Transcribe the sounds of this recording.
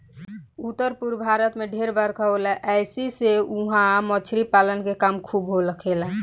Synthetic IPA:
ut̪ːəɾpuɾbʱaɾət̪meɖʱeɾbəɾkʰolɛʔɛɪsiseuɦãmət͡ʃʰɾipalənkekamkʰubɦoləkʰelə̃

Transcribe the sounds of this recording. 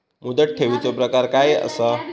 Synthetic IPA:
mud̪əʈ̚ʈʰeʋit͡sopɾəkaɾkajə̰sə

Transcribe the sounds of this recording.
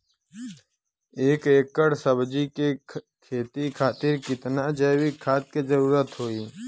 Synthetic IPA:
eːkeːkːəɽsəbd͡ʒike | kʰeːt̪ikʰaːt̪ɪɾkɪt̪nad͡ʒeːwikʰaːt̪̚kezɐɾuːɾət̪ɦoːiː

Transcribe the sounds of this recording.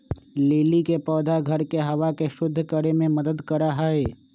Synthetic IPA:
leːlikepɔːd̪ʱaɡʱɐɾkeɦɐʋakeʃʊd̪ʱːkəɾemẽməd̪əd̪kəɾaɦaeː

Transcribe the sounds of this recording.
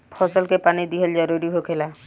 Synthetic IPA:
pʰɔsɔlkepanid̪iɦɔld͡ʒɔɾuɾiɦokʰela

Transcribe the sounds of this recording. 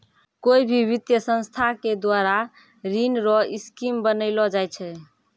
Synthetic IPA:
koibʱiβit̪jəsə̃nst̪ʰaked̪waɾa | ɾinɾɔiskimbənəɪlɔd͡ʒajt͡ʃʰɛ

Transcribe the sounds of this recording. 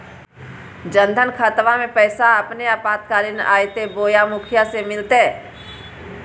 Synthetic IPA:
d͡ʒə̃nd̪ʱənkʰət̪ʋamẽpɛːsaɐpneaːpaːt̪̚kaːɾɪna̰ːjt̪eboːjamʊkʰjasemɪlt̪e

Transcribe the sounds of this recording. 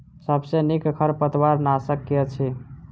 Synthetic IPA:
səbsenikkʰəɾpət̪waɾnasəkːijət͡ʃʰi

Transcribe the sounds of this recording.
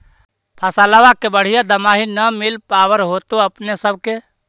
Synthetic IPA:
pʰasaləʋakebəɽ̤ijad̪əmaːɦinəmɪlpaːwəɾɦot̪oəpnesəb̚ke

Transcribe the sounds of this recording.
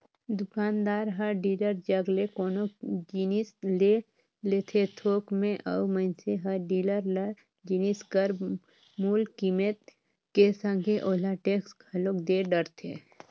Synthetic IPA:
d̪ʊkaːnd̪aːɾɦəɾɖiːləɾd͡ʒəɡlekoːnod͡ʒinisle | leːt̪ʰet̪ʰoːkmẽʔəuməɪnseɦəɾɖiːləɾl | d͡ʒiniskəɾ | muːlkimet̪ | kesə̃ŋɡʱeʔoːlaʈeːksɡʰʱəlokd̪eɖəɾt̪ʰeː

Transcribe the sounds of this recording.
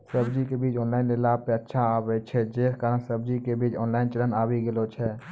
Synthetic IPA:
səbd͡ʒikebiːt͡ʃɔːnlaːɪnlelaːppeətːʃʰaaːbet͡ʃʰɛd͡ʒeːskəɾə̃səb̚d͡ʒikebiːt͡ʃɔːnlaːɪnt͡ʃələnaːwiɡɪlot͡ʃʰɛ

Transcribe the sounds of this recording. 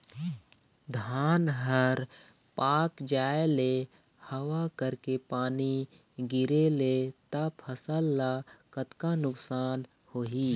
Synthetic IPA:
d̪ʱaːnɦəɾ | paːkd͡ʒaːele | həwakəɾkepaːni | ɡɪɾelet̪əpʰəsəlːakət̪kanʊksaːn | hoːɦi

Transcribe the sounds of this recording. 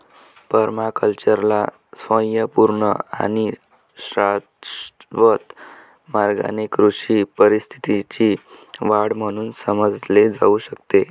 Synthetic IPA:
pəɾmakəlt͡ɕəɾla | sʋə̃jəpuɾɳəa̰ni | sɾat̪ʋət̪ | maɾɡa̰nekɾuʂipəɾist̪ʰi̥t̪it͡ɕiʋaɽm̤əɽ̃uːnsəməd͡zled͡za̰uɕəkt̪e

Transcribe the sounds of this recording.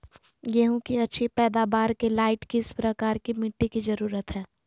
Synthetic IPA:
jɛɦũkiɐtːʃʰipɛːd̪aːbaːɾkelaːɪʈkiɪspɾɐkaːɾkimɪʈːikizɐɾuːɾət̪ɦɛː

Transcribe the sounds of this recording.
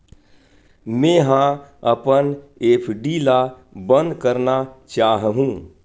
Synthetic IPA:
mẽːɦãəpəneːpʰɖila | bə̃nd̪kəɾnat͡ʃaːɦɦũ

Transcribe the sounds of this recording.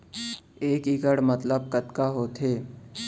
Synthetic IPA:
eːkɪkəɽmɐt̪ləb̚kət̪kaɦoːt̪ʰeː

